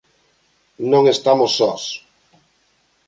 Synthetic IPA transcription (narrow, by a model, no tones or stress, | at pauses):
nõŋest̪amosːɔs